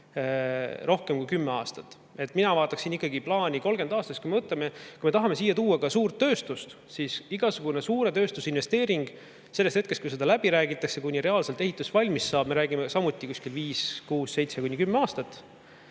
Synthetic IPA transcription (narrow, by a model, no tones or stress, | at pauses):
rʔo̞hkemkujkymːeɑːst̪ɑt̪ːˑ | e̞t̪ːˑminɑvɑːt̪ːˑɑksinːikːˑɑɡiplɑːnʲiko̞lɡ̥e̞nd̪ɑːst̪ɑst̪kujme̞vɤt̪leme̞kujme̞t̪ɑɦɑme̞siːjːɑt̪uːɑkɑsuːrt̪ːø̞ːst̪ust̪ | sisiɡ̥ɑsuɡ̥une̞suːɾe̞t̪øːst̪usinve̞st̪e̞ːɾiŋɡ̥ | se̞lːest̪het̪̚kestkujs̬e̞d̪ɑlæbiɾæːɡit̪ːˑɑksekunʲːiɾe̞ɑːlselt̪e̞ɦit̪ːˑusvɑlʲmissɑːb̥̚me̞ɾæːɡimesɑmut̪ːˑikusʲkilviːskuːsse̞jt̪sekunʲːikymːeɑːst̪ɑt̪ːˑ